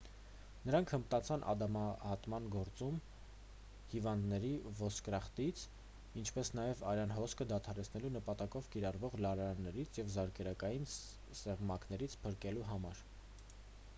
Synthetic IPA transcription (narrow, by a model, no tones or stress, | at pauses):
nəɾɑŋkʰəmt̪ɑt͡sʰɑnʔɑ̰d̪ɑmɑhɑt̪mɑnɡɔɾt͡sum | hivɑnd̪nɛɾivɔskɾɑχt̪it͡sʰ | int͡ʃʰpɛsnɑjɛvɑɾɑnɦɔskʰəd̪ɑt̪ʰɑɾɛt͡sʰnɛlunəpɑt̪ɑkɔvkiɾɑrvɔʁlɑɾɑɾɑnːɛɾit͡sʰjɛvzɑɾkɛɾɑkɑjin | sɛʁmɑknɛɾit͡sʰpʰəɾkɛluɦɑmɑɾ